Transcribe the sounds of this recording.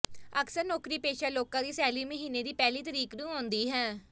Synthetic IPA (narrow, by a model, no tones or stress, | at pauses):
əksəɾnɔːkɾiːpeːʃaːloːkãːd̪iːsɛːliːməɦiːneːd̪iːpɛːliːt̪əɾiːknũːõːnd̪iːɦɛː